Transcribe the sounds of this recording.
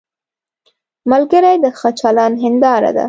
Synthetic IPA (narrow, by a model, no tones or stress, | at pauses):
malɡəɾajd̪əxat͡ʃɑlɑnɦɪnd̪ɑɾa̰d̪a̰